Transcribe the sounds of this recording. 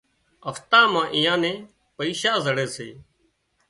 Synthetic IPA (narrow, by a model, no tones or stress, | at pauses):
əft̪ãːmãːʔiːjãːnẽː | pəiːʃaːzəɽeːsḛː